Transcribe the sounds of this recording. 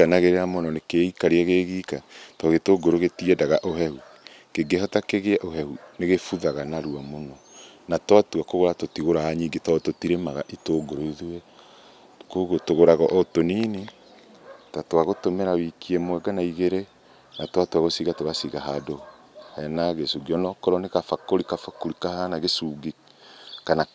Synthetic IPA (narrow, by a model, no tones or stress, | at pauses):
anaɣeɾeɾamonɔnekeikaɾeɛɣeɣiːkatɔɣetoɡoɾoɣetiɛdaɣaʔoɦɛhu | keɡeɦɔtakeɣeɛʔoɦɛhuneɣefuðaɣanaɾuamonɔnatwatuakoɣoɾatotiɣoɾaaɲiːɡetɔtotiɾemaɣaʔitoːɡoɾoiðuɛ | koɣotoɣoɾaɣɔʔɔtonini | tatoaɣotomɛɾawikiɛmwɛɡanaiɣeɾe | natwatwaɣosiɣatoɣasiɣaɦado | hɛnaɣesuɡiɔnɔkɔɾɔnekafakoɾikafakoɾikahanaɣesuːɡi | kana